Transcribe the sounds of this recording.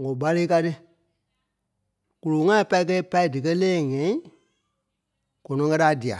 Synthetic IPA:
ŋɔ̃˨ɓa˧le˦ka˧tɨ˦ | ku˧lo˨˦ŋã˦ĩ˦pa˧i˧k̬ɛ˧i˦pa˧i˦dɨ˨kɜ˦lɛː˦˨ŋɛ̃˨ĩ˦ | ɡ̥ɔ̃˨nɔ̃˨˦kɜ˦ɾa˨˦di˨a̰˨

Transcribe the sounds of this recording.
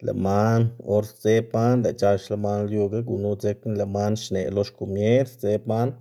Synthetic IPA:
lḛ˨ma˦no˧˦ɾt͡se˦pa˦nle˨t͡ʃa˧ʃle˧ma˦nljo˧ɡa˦ɡu˨nu˦t͡se˧kni˦le˨ma˦nʃne˨lo˦ʃko˨mje˦ɾt͡se˦pma˦n

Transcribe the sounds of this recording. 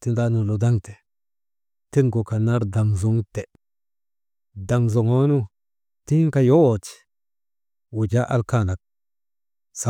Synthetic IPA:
ti˦nda˦nu˨lo˨da˦ŋte̥˨ | ti˦nɡo˨ka˨na˦ɾda˨ŋzu˨˦ŋte˨ | da˨ŋzo˨ŋo˦nu˦ | ti˦ŋ˦ka˦jo˦wo˨t͡ʃi̥˨ | wu˨d͡ʒa˦ʔa̰˦lka˦˨na˨k̚ | sa˨

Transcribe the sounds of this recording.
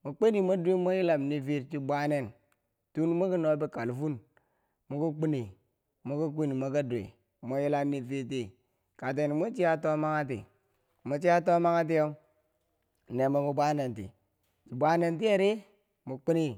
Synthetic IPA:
mo˨k͡pe˦ni˨mo˦dʷi˦mo˦ji˦la˨mni˦vi˦ɾt͡ʃi˦bʷa˦ne˦˨n | tu˦n˦mo˦ki˦no˦be˦ka˨lfu˦n | mo˨˦ku˦k͡pi˦ni˨ | mo˦ku˦ki˦ni˨mo˦ka˦dʷḛ˨ | mo˦ji˦la˦ni˦˨vi˦ɾt̬i˦ | ka˨t̬e˨ni˨mo˦t͡ʃi˦ja˦to˦ma˦ŋa˦t̬ḭ˨ | mo˨t͡ʃi˦a˦to˦ma˦ŋa˦t̬i˦jo˦ | ne˨mo˨mu˦bʷa˦ne˨ntḭ˨ | t͡ʃi˨bʷa˦ne˦nt̬i˦e˦ɾi˦ | mo˨k͡pi˦ni˦

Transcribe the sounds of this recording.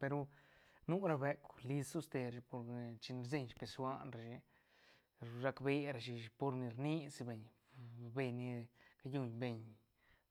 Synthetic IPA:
pe˧ɾo˧nu˦ɾa˧be˧kli˧su˦st̪e˧ɾʃpo˧ɾt͡ʃi˧n˧ɾze˦˧ɲʃpe˧swa˦˧nɾa˨ʃi˧ | ɾa˧kbe˧ɾa˧˨ʃ̬i˧po˧ɾni˧ɾni˦si˧be˧˨ɲ | be˧ni˧ka˧ju˧ɲbe˧ɲ

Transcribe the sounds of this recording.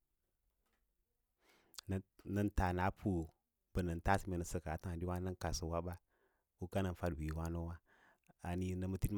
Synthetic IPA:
nə˦nta˨na˨˦pʰu˦˨ | bə˨nə˨n˨ta˦si˨me˨nə˨sə˦ka˨ta˦˨di˦wa˦nə˦ŋ˦ka˨so˨wa˦ba˦ | wu˦ka˦nə˨n˨fa˦dwi˨wa˦no˦wa˦ | a˨ni˦nə˦mə˦ti˦m

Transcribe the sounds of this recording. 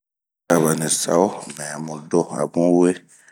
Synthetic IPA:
a˨βa˨nɛ̃˨sa̰˨˦wo˦mɛ̃˨a˨mɔ̃˨dɔ˦a̰˨bũ˦we˦

